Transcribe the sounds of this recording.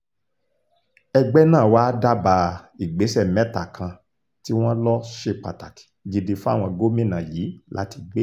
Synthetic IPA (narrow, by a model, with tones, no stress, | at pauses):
ɛ˧ɡ͡bɛ˦nãː˦˨wa˦da˦ba˧i˨ɡ͡be˨˦sɛ˦˨mɛ̃˦ta˨kʰã˧ | ti˦w̃ɔ̃˦lɔ˦ʃe˦˨k͡pa̰˨ta˨ki̥˨ɡi˧de˧fu˦a̰˦˨w̃ɔ̃˧ɡo˦mĩ˦˨nã˨jiː˨˦la̰˨˦ti˧ɡ͡be˦